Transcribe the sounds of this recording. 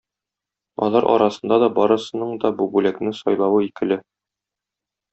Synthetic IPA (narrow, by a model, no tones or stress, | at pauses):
ɒ̰lˠɑɾʔɒ̰ɾɑsɤ̆nd̪ɑd̪ɒbɒɾɤ̆sɤ̆nɤɴd̪ɒbubʉlæknɘsɒjlˠɑwɤikɘ̆lɘ